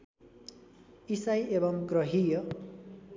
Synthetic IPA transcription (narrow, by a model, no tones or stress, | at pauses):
isajebʌŋɡrʌɦijʌ